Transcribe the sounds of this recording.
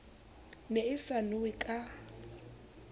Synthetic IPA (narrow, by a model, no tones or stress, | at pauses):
neɪsanʊwɪkʼa